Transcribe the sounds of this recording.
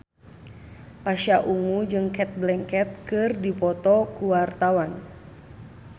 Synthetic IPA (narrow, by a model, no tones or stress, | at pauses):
paʃaʔuŋud͡ʒɨŋkɛt̪̚blɛŋkɛt̪̚kɨrdipɔt̪ɔkuwart̪awan